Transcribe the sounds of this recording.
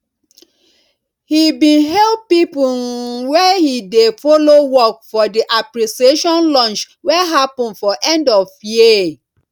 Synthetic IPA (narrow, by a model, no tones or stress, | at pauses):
hibĩnɦɛlpipuwɛhidefolowɔk̚fɔdiʔapɾisieʃɔ̃nlɔ̃nt͡ʃ | wɛɦapɔ̃nfɔʔɛ̃ndɔvje